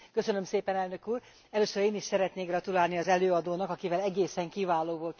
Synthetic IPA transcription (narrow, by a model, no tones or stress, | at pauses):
kø̞sø̞nø̞mseːpɛnɛlnø̞kuːr | ɛløːsøɾeːniʃsɛɾɛt̪neːɡrɒt̪ulaːlniɒzɛløːɒd̪oːnɒkɒkivɛlɛɡeːsɛŋkivaːloːvo̞lt̪